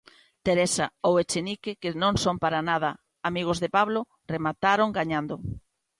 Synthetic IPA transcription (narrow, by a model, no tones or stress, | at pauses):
t̪eɾesaowet͡ʃenikekɪnõŋsompaɾanaðɐ | amiɣ̞ozðɪpaβlo | remat̪aɾoŋɡaɲand̪o